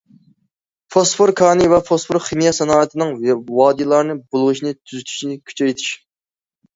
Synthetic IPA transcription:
pʰospʰoɾkʰɑːnɨvɛfʰospʰoɾχemijɑsɛnɑːɨt̪ʰɪnɨŋwɑːd̪ilˠɑɾnɨbolˠʁɨʃinɨt̪ʰyzyt̪ʰy̥ʃnɪkʲʰy̥t͡ʃʰɛjt̪ʰɪ̥ʃ

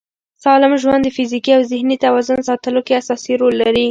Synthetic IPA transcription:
sɑlɪmʒwand̪ːəfizikiawzɪhnit̪awɑzʊnsɑt̪əlokeasɑsiɾolːaɾi

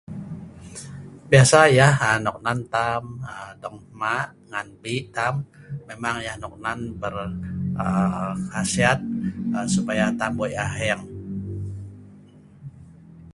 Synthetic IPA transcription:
biasajahanɔk̚nant̪amədɔŋmaʔ | ŋanbit̪amːemaŋjahnɔk̚nanbərəhasiat̪̚əsupajat̪ambojaɦɛŋ

